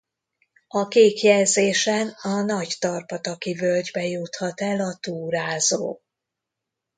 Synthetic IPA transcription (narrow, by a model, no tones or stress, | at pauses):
ɒkeːkjɛlzeːʃɛnɒnɒct̪ɒrpɒt̪ɒkivølɟbɛjut̪hɒt̪ɛlɒt̪uːɾaːzo̰ː